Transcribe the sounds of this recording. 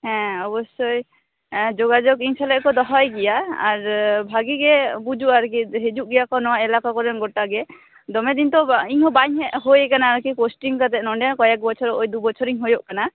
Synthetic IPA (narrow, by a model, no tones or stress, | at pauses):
hɛ̃ɔbɔsɔj | d͡ʒɔɡad͡ʒɔkiŋsalɛʔkɔd̪ɔɦajɡijaːɾbʱaɡiɡɛbud͡ʒuʔaɾkiɦed͡ʒuʔ̚ɡijakɔnɔwaɛlakakɔɾɛnɡɔʈaɡɛ | d̪ɔmɛd̪int̪ɔiɲhɔbaɲɦɛʔɦojɛkanaːɾkiposʈiŋkat̪ɛʔnɔɳɖɛkɔjɛk̚bɔt͡ʃʰɔɾɔʔojd̪ubɔt͡ʃʰɔɾiŋɦojɔʔkana